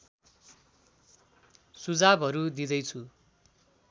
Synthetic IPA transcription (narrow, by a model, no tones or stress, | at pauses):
sud͡zabɦʌɾud̪id̪ʌjt͡sʰu